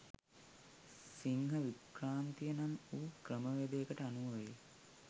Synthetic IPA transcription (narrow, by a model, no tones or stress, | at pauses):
siŋɦəʋikraːnt̪ijənanuːkɾəməʋæd̪ejəkəʈəanuʋəʋe